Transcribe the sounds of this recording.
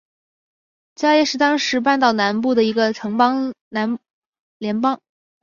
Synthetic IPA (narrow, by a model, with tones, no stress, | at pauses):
t͡ɕja˥ʊjɛ˥˧ʂɻ̩˥˩t̪ɑ˥ŋʂɻ̩˧˥p̬a˥˧nt̪ɑ˥˩ʊna˧˥npu˥˩d̪ə˩i˧˥ɡə˧ʈ͡ʂʰɤ˧˥ŋpɑ˥ŋna˧˥n | ljɛ˧˥npɑ˥ŋ